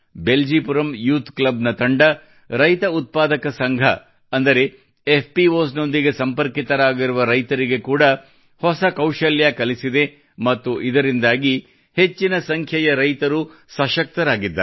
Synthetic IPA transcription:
beld͡ʒiːpuɾɐmjuːt̪klɐbnɐt̪ɐɳɖɐ | ɾɐjt̪ɐut̪̚paːd̪ɐkɐsɐŋɡʱɐ̰ | ɐnd̪ɐɾe̞ | epʰpiʋoːsno̞nd̪iɡe̞sɐmpɐɾkit̪ɐɾaːɡiɾuʋɐɾɐjt̪ɐɾiɡe̞kuːɽɐ | hɔsɐkɐwʃɐljakɐlisid̪e̞ | mɐt̪ːuʔid̪ɐɾind̪aːɡi | het͡ʃːinɐsɐŋkʰjɐjɐɾɐjt̪ɐɾusɐʃɐk̚t̪ɐɾaːɡid̪ːɐ̰

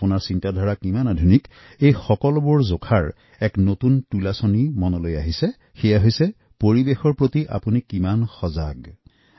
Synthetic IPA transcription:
punaɹsintadʱɔɹakimanadʱunik | ejxɔkɔlɔbʊɹzokʰaɹ | ɛknotuntulasɔnimɔnɔlojaɦisɛ | xejaɦojsɛ | poɹibexɔɹpɹotiʔa̰punikimanxɔzaɡ

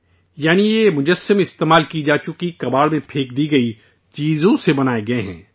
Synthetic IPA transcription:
jaːnijemʊd͡ʒəsəmɪst̪eːmaːlkid͡ʒaːt͡ʃʊkikɐbaːɭmẽpʰeːk̚d̪iɡɐi | t͡ʃiːzõsebɐnaːeɡɐeɦɛ̰̃ː

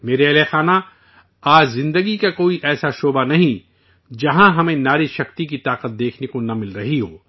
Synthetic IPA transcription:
meːɾeɐlexaːna | aːd͡ʒzɪ̃nd̪əɡikakoːiʔɛːsaʃoːbanɐɦĩ | d͡ʒɐɦãɦɐmẽnaːɾiʃɐqt̪ikit̪aːqət̪̚d̪eːkʰnekonɐmɪlɾɐɦiɦoː

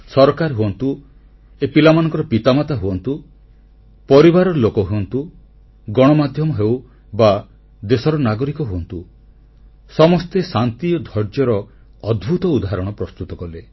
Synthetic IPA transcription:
sɔɾɔkaɾɦuɔnt̪u | epilamanɔ̃ŋkɔɾɔpit̪amat̪aɦuɔnt̪u | pɔɾibaɾɔlokɔɦuɔnt̪u | ɡɔɽ̃ɔmad̪ʱjɔmɔɦew | ba | d̪esɔɾɔnaɡɔɾikɔɦuɔnt̪u | sɔmɔst̪esant̪iɔd̪ʱɔɾd͡ʒjɔɾɔː | d̪bʱut̪ɔud̪aɦaɾɔɽ̃ɔpɾɔst̪ut̪ɔkɔle

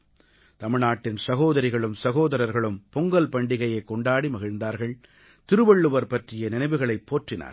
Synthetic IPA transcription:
t̪ɐmɪɻnaːʈːɪnsɐɣoːðɐɾɪɣɐɭɯmsɐɣoːðɐɾɐɾɣɐɭɯmpʊŋɡɐlpɐɳɖɪɣɐjɐɪkːɔɳɖaːɽimɐɣɪɻnd̪aːɾɣɐɭ | t̪ɪɾɯʋɐɭːɯʋɐɾpɐʈrɪjɐnɪnɐɪʋɯɣɐɭɐɪpːoːʈrɪna̰ːɾ

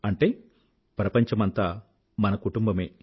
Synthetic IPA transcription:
ɐɳʈeː | pɾɐpɐɲt͡ʃɐmɐnt̪aː | mɐnɐkuʈumbɐmeː

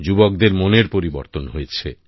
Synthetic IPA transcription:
d͡ʑubok̚d̪eɾmoneɾpoɾibo̰ɾt̪onɦojet͡ɕʰḛ

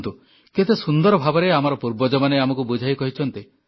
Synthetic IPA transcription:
nt̪u | ket̪esund̪ɔɾɔbʱabɔɾeamɔɾɔpuɾbɔd͡ʒɔmaneamɔkubud͡ʒʱajkɔɦit͡ʃʰɔnt̪i

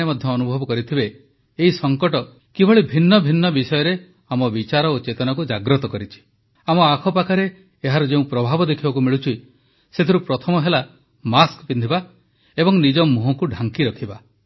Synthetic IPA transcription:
emɔd̪ʱjɔːnubʱɔbɔkɔɾit̪ʰibeː | ɦisɔŋkɔʈɔ | kibʱɔɭibʱinːɔbʱinːɔbisɔjɔɾe | amɔbit͡ʃaɾɔot͡ʃet̪ɔnakud͡ʒaɡɾɔt̪ɔkɔɾit͡ʃʰi̥ | amɔakʰɔpakʰaɾeː | ɦaɾɔd͡ʒeũpɾɔbʱabɔd̪ekʰibakumiɭut͡ʃʰi | set̪ʰiɾupɾɔt̪ʰɔmɔɦela | maskpind̪ʱiba | ebɔŋnid͡ʒɔmuɦɔkuɖʱaŋkiɾɔkʰiba

